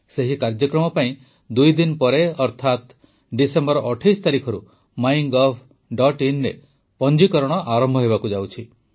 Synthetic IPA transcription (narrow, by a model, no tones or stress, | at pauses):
seɦikaɾd͡ʒɔkɾɔmɔpaĩ | d̪ujd̪inpɔɾeɔɾt̪ʰat̪ | ɖisembɔɾɔʔɔʈʰajst̪aɾikʰɔɾṵ | maiŋɡɔpʰ | ɖɔʈinɾe | pɔnd͡ʒikɔɾɔɽ̃ɔʔaɾɔmbʱɔɦebakud͡ʒawt͡ʃʰi